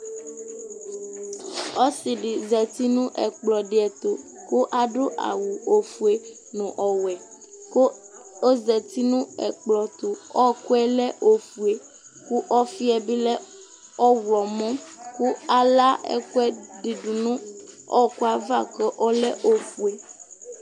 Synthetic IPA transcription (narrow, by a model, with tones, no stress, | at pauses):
ɔ˦si˨ɖi˨zɛ˨t̪i˦nũ˦ʔɛ̰˨k͡plɔ˨ɖi˨ɛ˨t̪o˨ | ku˦ʔa˨ɖo˦ʔa̰˨wu˨o˨fu˨e˨ | nũ˨ʔɔ˨wɛ˨ | ko˦ | o˦zɛ˨t̪i˦nũ˦ɛ̰˨k͡plɔ˨t̪o˨ɔ˦˨ku˦ɛ˦lɛ˦ʔo˨fu˨e˨ | ku˦ʔɔ˦fi˦ɛ˦bi˦lɛ˦ | ɔ˦wɔ˨mɔ̃˦ku˦a˦la˦ɛ̰˦ku˦ɛ˦ɖi˨ɖu˨nũ˦ | ɔ˦˨ku˦a˦va˦˨kɔ˦ʔɔ˦lɛ˦ʔo˨fu˨e˨